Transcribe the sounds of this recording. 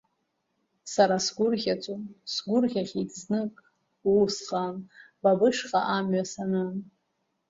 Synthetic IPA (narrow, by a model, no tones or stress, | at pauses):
saɾasɡʷʊrʁʲat͡sʷʼonsɡʷʊrʁʲaχʲitʰʼznɨkʼ | uwsχan | babɨʂqʼaʔamɥasanan